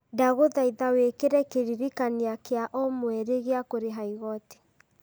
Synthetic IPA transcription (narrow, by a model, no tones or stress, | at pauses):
daɣoðaiðawekeɾɛkeɾiɾikaniakeaʔɔmwɛɾeɣeakoɾeɦaiɣɔte̥